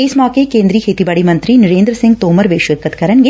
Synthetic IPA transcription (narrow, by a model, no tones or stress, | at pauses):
ejsmaːkekeːnd̪ɾiːhet̪ibɐɽimɐnt̪ɾiniɾeːnd̪ɾɐsiŋɡ̚t̪oːmɐɾʋeːʃʋɐt̪̚kɐt̪kɐɾɐnɡe